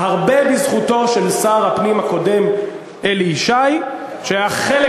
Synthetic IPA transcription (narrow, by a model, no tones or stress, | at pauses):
haʁbe̞bizχuto̞ʃe̞lsaːʁhapnimhako̞de̞m | eliʃaj | ʃeajaχele